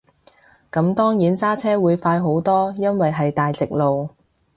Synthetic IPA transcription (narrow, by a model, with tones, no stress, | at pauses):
kɐ˨˥mt̪ɔː˥ŋjiː˨˥nt͡saː˥t͡sʰɛː˥wuː˨˧jfaː˧jɦo˨˥wt̪ɔː˥jɐ˥nwɐ˨jɦɐ˨jt̪aː˨jt͡sɪ˨k̚lo˨w